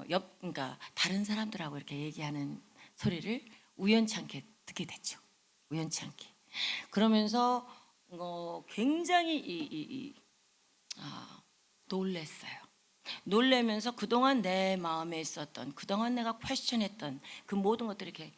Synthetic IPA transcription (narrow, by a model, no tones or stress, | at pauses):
jʌik͈a̰taɾɯnsʰaɾamdɯɾaɡoiɾʌkʰe̞je̞ɡiɦanɯn | sʰoɾiɾɯɭ | ujʌnt͡ɕʰaŋkʰe | t͈ɯ̥k͈ʰedwet͡ɕ͈o̥ | ujʌnt͡ɕʰaŋkʰe̥ | kɯɾʌmjʌns̬ʰʌ | ʌkweŋd͡ʑaŋiʔḭ | ʌ̰ | noɭːe̞s͈ʌjo | noɭːe̞mjʌns̬ʰʌkɯdoŋanːe̞maɯme̞is͈ʌt̚t͈ʌnkɯdoŋanːe̞ɡakʰwaɭɕ͈ʌnɦe̞t̚t͈ʌnkɯmodɯnɡʌt͈ɯɾiɾʌkʰe̞